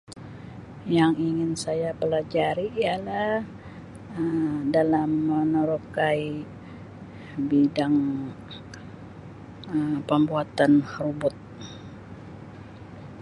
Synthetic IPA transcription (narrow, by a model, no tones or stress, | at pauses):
jaŋiŋɪnsajapəlad͡ʒaɾiːjala | ədalamːənəɾokai | bidaŋ | əmpəmbuat̪anrubʊt̪̚